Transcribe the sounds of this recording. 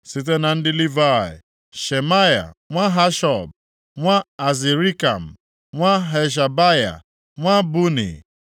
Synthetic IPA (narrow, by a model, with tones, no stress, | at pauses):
sɪ˦t̬e˦na˨n̩˦dɪ˦li˦va˦˨ɪ̰˨ | ʃe˨ma˦ja̰˨ŋʷa˦ɦa˦ʃɔ˨b̚ | ŋʷa˦a˨zi˨ɾi˦ka˨m̩˨ | ŋʷa˦ɦe˨ʃ̬a˨ba˦ja̰˨ | ŋʷa˦bu˦nḭ˨